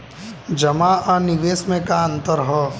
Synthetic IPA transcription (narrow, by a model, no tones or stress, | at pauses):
d͡ʒəmaənɪʋeːsmẽkaə̃nt̪əɾɦɛː